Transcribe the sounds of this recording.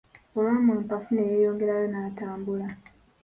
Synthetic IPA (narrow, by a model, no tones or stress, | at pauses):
olwaːmuːmpafunejeːjo̞ːŋɡe̞ɾajo̞naːtaːmbula